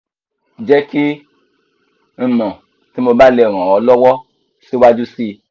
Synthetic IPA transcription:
d͡ʒɛ˦ki˦ | n̩˨mɔ̃˨ | ti˨˦mo˧ba˦lɛ˧˨ɾ̃ã˨ɔ˨˦lɔ˦wɔ˦ | si˦wa˦d͡ʒu˦si˦˧

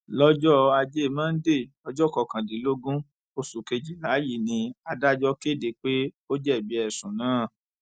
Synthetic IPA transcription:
lɔ˦d͡ʒɔ˦a˧d͡ʒe˦˨mãː˦n̩˦de˦˨ | ɔ˧d͡ʒɔ˦˨kɔ˨kã˨di˨˦lo˦ɡũ˦ | o˧su˨ke˧d͡ʒi˨la˨˦ji˦˨nĩ˧a˧da˦d͡ʒɔ˦ke˦˨de˨k͡pe˦ | o˦d͡ʒɛ˦˨bi˧˦ɛ˨sũ˨nãː˨˦˨

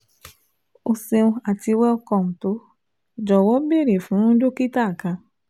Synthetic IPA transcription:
o˨se˧ũ˧a˨ti˧wɛ˦ɔ˧kɔ˨m̩˨to˦ | d͡ʒɔ˨wɔ˨˦be˦˨ɾe˨fũ˨˦nũ˦d͡ʒo˦ki˦ta˦˨kã˧

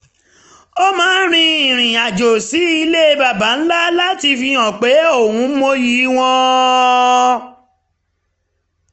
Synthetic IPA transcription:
o˦mãː˨˦n˦ɾ̃ĩ˧i˨ɾ̃ĩ˨a˨d͡ʒo˨si˨˦i˧le˦˧ba˨ba˨˦n̩˦la˦la˦ti˧fi˧ɔ̃˨k͡pe˨˦o˦˨wũ˨˦mo˧ji˨˦w̃ɔ̃˧

